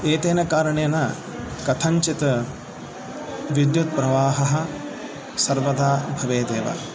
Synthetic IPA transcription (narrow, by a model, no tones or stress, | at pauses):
eːt̪eːnɐkaːɾɐɳɐjɐnɐ | kɐt̪ʰɐɲt͡ʃit̪ɐ | ʋid̪jut̪̚pɾɐʋaːɦɐɦɐ̆ | sɐɾʋɐd̪aːbʱɐʋeːd̪eːʋɐ̰